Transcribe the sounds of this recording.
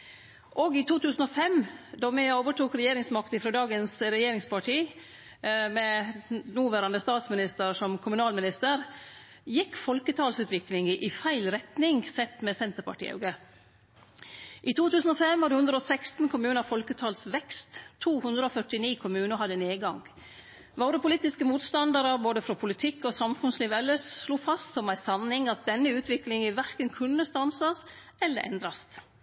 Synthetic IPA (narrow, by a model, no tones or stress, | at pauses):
ʔɔɡɪt̪ʰuːt̪ʰʉːsn̩ɔfɛmd̪ɔmæoːʋəʈuːkɾɛjeːɾɪŋsmɑkt̪əfɾoːd̪ɑːɡənsɾɛjeːɾɪŋspʰɑʈʰiː | mɛnuːʋæɾɑnd̪əst̪ɑːt̪smɪnɪst̪əɾʂɔmkʰʊmʉnɑːlmɪnɪst̪əɾ | jɪkːfɔlkət̪ʰɑːlsʉːt̪ʋɪklɪŋəʔɪfæɪlɾɛt̪nɪŋsɛt̪ːmɛsɛnt̪əɾpɑ̰ʈḭːɑ̰ɡə | ʔiːt̪ʰuːt̪ʰʉːsn̩ɔfɛmʋɑɾhʉnd̪ɾəɔsækst̪n̩kʰʊmʉːnəfɔlkət̪ʰɑːlsʋɛkst̪t̪ʰːuːhʉnd̪ɾəɔfœʈɪniːkʰʊmʉːnəhɑd̪əneːɡɑŋɡ | ʋɑʊɾəpʰʊliːt̪ɪskəmuːt̪st̪ɑnd̪əɾəboːd̪əfɾɔpʰʊlɪt̪ʰɪkːɔsɑmfʉnsliːʋɛlːəʂsluːfɑst̪sɔmæɪsɑnːɪŋɑt̪̚d̪ɛnːəʉːt̪ʰʋɪklɪŋəʋæɾkənkʰʉnːəst̪ɑnsɑsɛlːə̰ɾʔɛ̰nd̪ɾɑst̪